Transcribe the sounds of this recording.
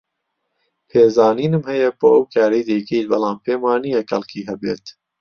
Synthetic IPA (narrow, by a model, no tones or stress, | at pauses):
pʰeːzaːniːnɨmhɐjɐboːʔɐwkʰaːɾɐjd̪ɐjkʰejt̪bɑlˠɑːmpʰeːmwaːnijɐxɐ̰lˠkʰiːɦɐbḛːt̪